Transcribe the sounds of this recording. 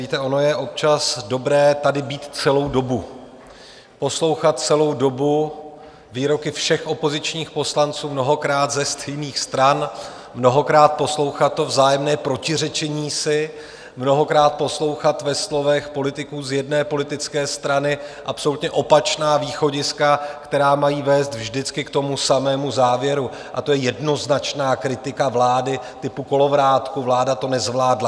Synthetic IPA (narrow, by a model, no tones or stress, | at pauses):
iːt̪ɛʔo̞no̞jɛʔo̞p̚t͡ʃasdo̞bɾɛːt̪adɪbiːt̪t͡sɛlo̞wdo̞bu | po̞slo̞wxat̪̚t͡sɛlo̞wdo̞bu | viːɾo̞kɪfʃɛxʔo̞po̞zɪt͡ʃɲiːxpo̞slant͡suːmno̞ɦo̞kɾaːt̪zɛst̪ʰɛjniːxst̪ɾan | mno̞ɦo̞kɾaːt̪̚po̞slo̞wxat̪ːo̞vzaːjɛmnɛːpɾo̞cɪrɛt͡ʃɛɲiːsɪ | mno̞ɦo̞kɾaːt̪̚po̞slo̞wxat̪vɛslo̞vɛxpo̞lɪt̪ɪkuːzjɛdnɛːpo̞lɪt̪ɪt͡skɛːst̪ɾanɪʔapso̞lut̪ɲɛʔo̞pat͡ʃnaːviːxo̞ɟɪskakt̪ɛɾaːmajiːvɛːst̪vʒdɪt͡skɪkt̪o̞musamɛːmuzaːvjɛɾu | ʔat̪o̞jɛjɛdno̞znat͡ʃnaːkɾɪt̪ɪkavlaːdɪ | t̪ɪpuko̞lo̞vɾaːt̪kuvlaːdat̪o̞nɛzvlaːdla